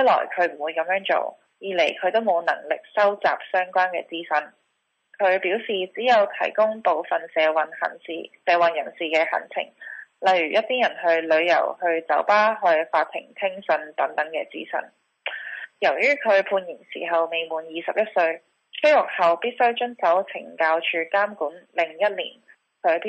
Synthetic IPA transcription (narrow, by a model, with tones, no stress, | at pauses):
ɐ˥lɔ̰ː˨˩jkʰɵ˨˧ɥm̩˨˩wuː˨˧jkɐ˧˥mjœː˨˥ŋt͡so̰˨˧w | jiː˨˧le˨˩jkʰɵ˨˧ɥt̪o˥wmo˨˧wnɐ̰˨˩ŋlɪ˨k̚sɐ˥wt͡sa̰ː˨p̚sœː˥ŋkʷaː˥nkɛ̰ː˧t͡siː˥sɐ˧˥n | kʰɵ˨˧ɥpiː˨˥wsiː˨t͡siː˨˥jɐ˨˧wt̪ʰɐ̰˨˩jkʊ˥ŋpo˨wfɐ˨nsɛː˨˧wɐ˨˧nhɐ̰˨˩nsḭː˧sɛː˧wɐ˨njɐ˨˩nsiː˨kɛː˧hɐ̰˨˩nt͡sʰɪ̰˨˩ŋlɐ˨jɥyː˨˩jɐ˥t̚t̪ʰiː˥njɐ˨˩nɦɵ˧ɥlɵ˨˧ɥjɐ̰˨˩whɵ˧ɥt͡sɐ˨˥wpaː˥ɦɵ˧ɥfaː˧t̪ʰɪ̰˨˩ŋt̪ʰɪ˥ŋsɵ˧nt̪ɐ˨˥ŋt̪ɐ˨˥ŋkɛ̰ː˧t͡sḭː˥sɐ̰˧˥n | jɐ˨˩wjyː˥kʰɵ˨˧ɥpʰuː˧njɪ˨˩nsḭː˨˩ɦɐ˨wme˨˩jmuː˨˩njiː˨˧sɐ˨p̚jɐ˥t̚sɵ˧ɥ | kɵ˥jʊ˨˩k̚hɐ˨wpiː˥t̚sɵ˥ɥt͡ʃɵ˥nsɐ˨˥wt͡sʰɪ̰˨˩ŋkaː˧wt͡ʃʰyː˧kaː˥mkuː˨˥nlɪ˨˩ŋjɐ˥t̚lḭː˨˩n | kʰɵ˨˧ɥpː